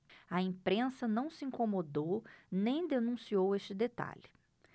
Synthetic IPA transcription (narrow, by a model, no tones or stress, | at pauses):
ɐẽpɾẽsɐnɐ̃w̃sɪĩkomod̪ownẽj̃d̪enũsioweʃt͡ʃɪd̪et̪a̰ʎɪ